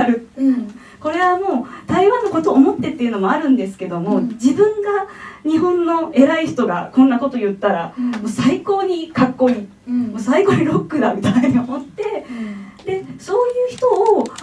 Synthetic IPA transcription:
ɾɯ̟ | ko̞ɾe̞βamo̞ːt̪aiβãnːako̞t̪o̞ːmo̞t̪ːe̞t̪ːe̞iɯ̟no̞moaɾɯ̟̃nd̪e̞sɨ̥ke̞d̪omo̞d͡ʑibɯ̟̃ŋɡaɲ̟iɦõ̞nːo̞e̞ɾaiçi̥t̪o̞ɡakõ̞nːako̞t̪ojɯ̟t̪ːaɾamoːsaiko̞ːɲ̟ikakːo̞ːɲ̟i | moːsaiko̞ːɲ̟iɾo̞kːɯ̟d̪amʲit̪aiiɲ̟io̞mo̞t̪ːe̞d̪e̞so̞ːjɯ̟ːçi̥t̪o̞ː

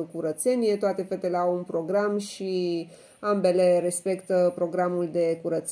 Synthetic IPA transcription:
kuɾət̪se̞nije̞t̪oat̪e̞fe̞t̪e̞le̞awunpɾo̞ɡɾamʃi | ambe̞le̞ɾe̞spe̞kt̪əpɾo̞ɡɾamuld̪e̞kuɾət̪s

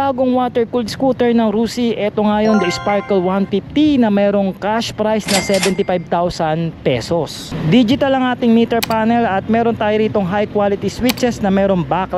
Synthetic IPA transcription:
baːɡoŋwat̪ɛɹkuld̪skut̪ɛɹnɐŋɾuːsiʔɛt̪oŋaːjoŋd̪ɐɪspaɹkɛlwanfɪft̪inɐmɛːɾo̞ŋkaʃpɾajsnɐsɛbɛnt̪ɪfajb̚t̪awsɐnpɛ̰sos | d̪iːd͡ʒɪt̪ɐlɐŋʔaːt̪ɪŋmit̪ɛɹpanɛlɐt̪̚mɛːɾont̪aːjoɾiːt̪o̞ŋɦajkwalɪt̪iswɪt͡ʃɛsnɐmɛːɾoŋbak

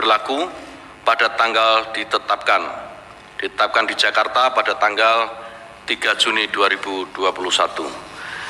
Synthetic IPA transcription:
ərlaku | padat̪aŋɡald̥it̪ət̪ap̚kan | d̥it̪ət̪ap̚kandi̥d͡ʒakart̪apadat̪aŋɡal | t̪iɡ̥a̤̥d͡ʒuniduaɾib̥ud̥uapulusat̪u

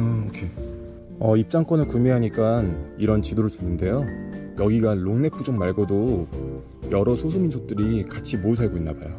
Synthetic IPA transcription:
ʌkʰe | ʌip̚t͡ɕ͈aŋk͈wʌnɯɭkumjeɦaɲik͈aniɾʌnt͡ɕidoɾoɭt͡ɕunːɯnde̞jojʌɡiɡaloŋne̞pʰud͡ʑoŋmaɭɡodo | jʌɾʌsʰosʰuminsʰok̚t͈ɯɾikat͡ɕʰimoɯs̬ʰaɭɡoinːabajo

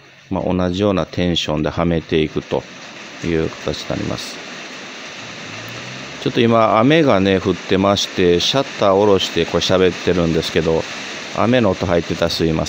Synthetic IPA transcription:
ma̰ʔo̞̰naʑijo̞ːnat̪ʰẽ̞ɰ̃ɕõ̞nd̪e̞hame̞t̪e̞ikɯ̟t̪o̞̰ | jɯ̟ːkḁt̪at͡ɕi̥ea̰ɾʲḭmʔa̰sɨ̥ | t͡ɕo̞t̪ːo̞imaame̞ɡane̞ɸɯ̟t̪ːe̞maɕi̥t̪e̞ɕat̪ːao̞ɾo̞ɕi̥t̪e̞ko̞ɕabe̞t̪ːe̞ɾɯ̟̃nd̪e̞sɨ̥ke̞d̪o̞ | a̰me̞noːt̪oɦait̪ːe̞t̪asɨima̰s

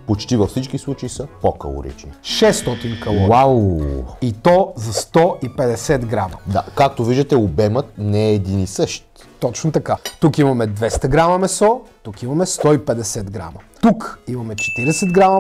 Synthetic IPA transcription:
pot͡ʃt̪ivəfsit͡ʃkislˠut͡ʃɐisəpokə̰lˠo̰ɾḭt͡ʃniʃɛst̪ɔt̪inkɐlˠɔawit̪ɔzɐst̪ɔʔipɛd̪ɛsɛt̪ɡɾamɐd̪a̰kak̚t̪oviʒd̪ət̪ɛobɛmət̪̚nɛːd̪inisɤʃt̪ | t̪ɔt͡ʃnot̪ɐkat̪ukimɐmɛd̪vɛst̪ɐɡɾamɐmɛsɔt̪ukimɐmɛst̪ɔipɛd̪ɛsɛd̪ɡɾa̰mɐt̪ukimɐmɛt͡ʃɛ̥t̪iɾɛsɛd̪ɡɾamɐ

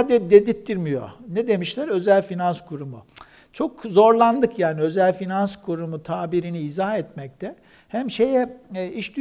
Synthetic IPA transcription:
ad̪id̪ed̪it̚t̪ːiɾmijo̰nɛd̪e̞miʃlʲæɾø̞zælʲfinanskʰuɾumṵ | t͡ʃʰo̞kzo̞ɾlˠand̪ɯkjaːniø̞zælʲfinanskʰuɾumut̪ʰaːbiɾiniːzahɛt̪mɛc̚t̪ʰɛ | hæmʃe̞jɛiʃd̪y

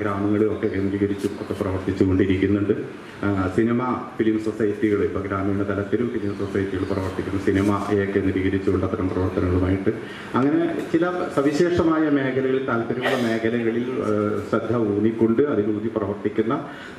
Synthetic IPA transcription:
ɡɾaːmɐŋːɐɭio̞kːekːeniɾiɣɐɾit͡ɕːuo̞̰kːe̞prɐʋɐrt̪it͡ɕːuko̞ɳɖiɾikʲːunːuɳɖɨ | sinimɐfilimsosɐjɐʈːiɣɐɭipːoːɡɾaːmɐjuɳɖet̪ɐlɐt̪ːiɾumfilimsosɐjɐʈːiɣɐɭuprɐʋɐrt̪ikʲːunːɐsinɐmɐeokːeniɾiɣɐɾit͡ɕːuuɭːɐt̪ɐɾɐmt̪rɐʋɐrt̪ɐnɐŋːɐɭumaːjiʈːɨ | ɐŋːɐne̞t͡ɕilɐsɐʋiɕe̞ːʂɐmaːjɐme̞ːkʰɐlɐɣɐɭilt̪aːlt̪ːɐɾumuɭːɐme̞ːkʰɐlɐɣɐɭilɕɐd̪ʱɐuːɳikːo̞ɳɖɨɐðinuːd̪iprɐʋɐrt̪ikʲːunːɐ

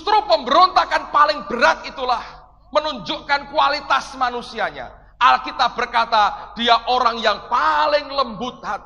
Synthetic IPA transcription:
st̪ɾopəmbəɾont̪akanpalɪŋb̥əɾat̪̚it̪ulah | mənuɲd͡ʒʊʔkankualit̪asmanusiaɲa̰ | alkit̪ab̥ərkat̪ad̥iaʔoɾaŋjaŋpalɪŋləmbʊt̪̚ɦat̪

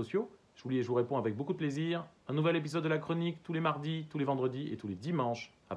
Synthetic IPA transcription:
ɔsjo | ʒəulieʒəvuʁepɔ̃avɛk̚bokud̪əpleziːʁɛ̃nuvɛlep̬izɔd̪̚ːəlakχɔnikt̪ulemaʁd̪it̪ulevɑ̃d̪ʁəd̪iʔḛt̪uled̪imɑ̃ʃ | a̰

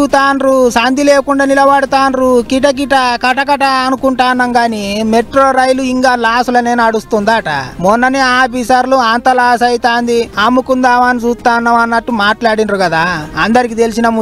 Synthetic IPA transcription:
ut̪aːnɾusɐnd̪ileːkuɳɖaːnilɐʋɐɽut̪aːnɾukiʈ̬ɐk̬iʈɐkɐʈɐkɐʈɐːnukuɳʈaːnːɐŋɡaːnimeʈɾoːɾɐjluiŋkaːlaːsulɐne̞ːnuɐɽust̪und̪aːʈɐ̰mɔnːɐniaːpisɐɾluaːnt̪ɐlaːsɐjt̪aːnd̪iamːukund̪aːʋanid͡ʒuːst̪aːnːɐʋɐnːɐʈːumaːʈlaːɽinɾukɐd̪aːɐnd̪ɐɾikit̪e̞lisinɐmu

